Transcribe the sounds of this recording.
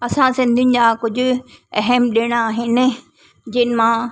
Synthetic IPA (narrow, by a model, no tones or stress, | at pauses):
ɐsãsɪ̃nd̪ʱijʊ̃nɪ̆d͡ʑakʊd͡ʑʱʊ̆ɛɦɛmɗeːɽ̃aaːɦɪnɪ̆ | d͡ʑɪːnɪmãː